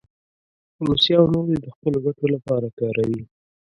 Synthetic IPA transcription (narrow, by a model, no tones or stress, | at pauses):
ɾusjɑːwnoɾid̪əxpəloɡakolapɑɾakɑɾawi